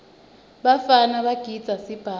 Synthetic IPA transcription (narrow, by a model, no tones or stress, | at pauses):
ɓafanaɓaɡ̥ʱid̥d͡z̥ʱasib̥ʱaː